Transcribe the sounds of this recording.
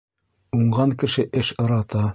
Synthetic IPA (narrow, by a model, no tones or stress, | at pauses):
uɴɢɑŋkɘ̆ʃɘʔɘʃŏɾɑt̪ɑ